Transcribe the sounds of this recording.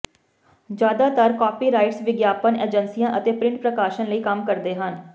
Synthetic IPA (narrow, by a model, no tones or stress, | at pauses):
d͡ʒjaːd̪aːt̪əɾkɔːpiːɾaːɪʈsʋɪɡjaːpəneːd͡ʒənsijãːʔət̪eːpɾɪ̃ɳʈ̚pɾəkaːʃənləiːkəmkəɾd̪eːɦən